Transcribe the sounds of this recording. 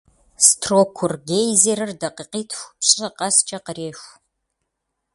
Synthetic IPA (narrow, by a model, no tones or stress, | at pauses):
stʰroːkʷʰːʊrɡejzeɾɨrdɐqiqiːtʰxʷpɕʼɐqɐst͡ʃʼɐqəreːʃʷ